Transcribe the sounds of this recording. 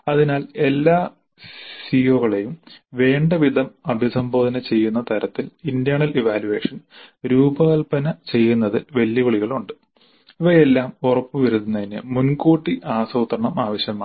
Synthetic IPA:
ɐðinaːle̞lːaː | sio̞ːɣɐɭejumʋe̞ːɳɖɐʋid̪ʱɐmɐbʱisɐmbo̞ːd̪ɐnɐt͡ɕe̞jːunːɐt̪ʰɐɾɐt̪ːilind̪jaːɳɐliʋaːljuʋe̞ːʂɐnɾuːbɐkɐɭpɐnɐt͡ɕe̞jːunːɐðiʋe̞lːikoɭiɣɐɭuɳɖɨ | iʋɐjelːaːmorɐpːɨʋɐɾuðːunːɐðinɨ̰munkoːʈːiʔaːsɐwut̪rɐɳɐmaːʋɐɕjɐmaː

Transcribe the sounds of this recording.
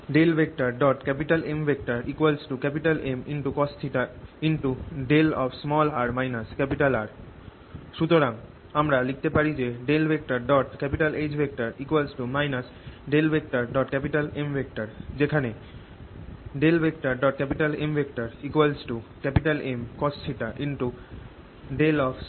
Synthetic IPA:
ɖelbʱek̚ʈaɾɖɔʈkɛpiʈalembʱek̚ʈaɾikualsʈukɛpiʈalʔeminʈukɔst̪ʰiʈainʈuɖelɔbsmɔlaɾmajnaskɛpiʈalaɾ | ʃut̪oɾaŋ | amɾalik̚ʰt̪epaɾid͡ʑeɖelbʱek̚ʈaɾɖɔʈkɛpiʈaled͡ʑbʱek̚ʈaɾikwalsʈumajnas | ɖelbʱek̚ʈaɾɖɔʈkɛpiʈalembʱek̚ʈaɾd͡ʑekʰane | ɖelbek̚ʈaɾɖɔʈ̚kɛpiʈalembʱek̚ʈaɾikwalsʈukɛpiʈalemkɔsʈʰiʈaʔinʈu | ɖelɔpʰ

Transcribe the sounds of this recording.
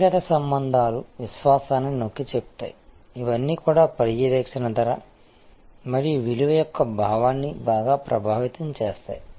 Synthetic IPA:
ɡɐt̪ɐsɐmbɐnd̪ʱaːluʋiʃʋaːsaːninokːit͡ʃepu̥t̪a̰ːji | iʋɐnːiːkuːɽaːpɐɾijiɾɛːkʂɐnɐd̪ɐɾɐ | mɐɾijuʋiliʋɐjɔkːɐbʱaːʋaːnːibaːɡaːpɾʔɐbʱaːʋit̪ɐmt͡ʃeːst̪a̰ːji

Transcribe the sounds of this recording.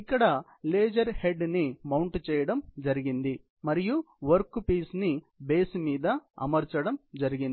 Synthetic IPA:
ikːɐɽɐ | leːd͡ʒɐɾhe̞ɖnimɐwɳʈt͡ʃɛːjɐɽɐmd͡ʒɐɾiɡind̪i | mɐɾiju | ʋɐɾkːpiːsni | be̞ːsmiːd̪ɐɐ̰mɐɾt͡ʃɐɽɐmd͡ʒɐɾiɡin

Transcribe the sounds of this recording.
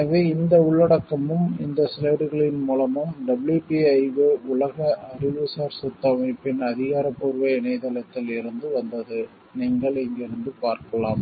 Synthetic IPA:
ɐʋeːɪnd̪ɐʊɭːɐɽɐkːɐmɯmɪ̰nd̪ɐsɾɐːɽɯɣɐɭɪnmuːlɐmɯmɖɐbɪljuːpiɐɪʋɯʊɭɐɣɐɐɾɪʋɯsaːɾsʊt̪ːɐmɐɪpːɪnɐðɪɣaːɾɐpːuːɾʋɐɪɪnɐɪðɐlɐt̪ːɪlɪɾɯnd̪ɯʋɐnd̪ɐðɯ | niːŋɡɐɭɪŋɡɪɾɯnd̪ɯpaːɾkɐlaːm

